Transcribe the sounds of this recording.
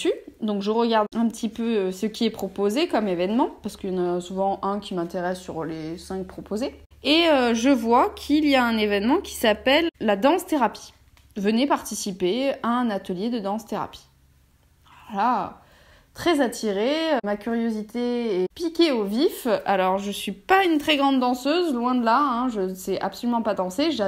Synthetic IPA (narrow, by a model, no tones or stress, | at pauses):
syd̪ɔ̃kʒəʁəɡaʁd̪ɛ̃pət̪ʰipøøsəkʲiɛpχɔpozekɔmevɛnmɑ̃paʁskəjɑ̃nasuvɑ̃ʔɛ̃kʲʰimɛ̃t̪eʁɛsːyʁlesɛ̃k̚pχɔpoze | eøʒəvwakʲʰilijaɛ̃nevɛnmɑ̃kʲʰi̥sapɛlːad̪ɑ̃st̪eʁapi̥ | vənɛpaʁt̪isipeaɛ̃nat̪əljed̪əd̪ɑ̃st̪eʁa̰pi̥ | la̰ | t̪χɛzat̪ʰiʁeømakʲyʁjozit̪eɛpikʲeovifalɔʁʒəsɥipaynt̪χɛɡʁɑ̃nd̪ːɑ̃søzlwɛ̃d̪əlaɛ̃ʒəsɛʔa̰psɔlymɑ̃pad̪ɑ̃seʒa